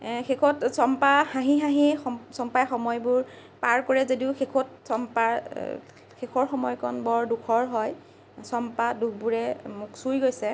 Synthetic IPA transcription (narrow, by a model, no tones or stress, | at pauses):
xekʰɔtsɔmpahaɦĩɦaɦixɔsɔmpajxɔmɔjbʊɹ | paɹkɔɹɛzodiʊxekʰɔt̚sɔmpaɹ | xekʰɔɹxɔmɔjkʰɔnbɔɹdukʰɔɹɦɔj | sɔmpadukbuɹɛmʊksujɡojsɛ